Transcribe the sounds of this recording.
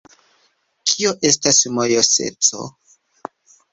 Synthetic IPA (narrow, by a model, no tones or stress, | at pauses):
kʰio̞ʔe̞stasmojose̞̰t͡so̰